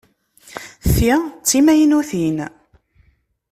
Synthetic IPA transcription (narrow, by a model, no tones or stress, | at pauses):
θit͡sːimæjnuθin